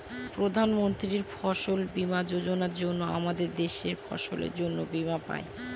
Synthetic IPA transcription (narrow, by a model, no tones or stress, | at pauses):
pɾod̪ʱanmont̪ɾiɾfʰɔʃolbimad͡ʑod͡ʑonaɾd͡ʑonːoa̰mad̪eɾd̪eʃeɾfʰɔ̰ʃo̰lḛɾd͡ʑonːobimapa̰e